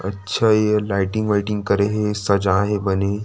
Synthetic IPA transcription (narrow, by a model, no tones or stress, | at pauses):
ɐ̰tːʃʰajelaɪʈɪ̃ŋɡʋaɪʈɪ̃ŋɡkɐɾeɦesɐd͡ʒãɦebɐne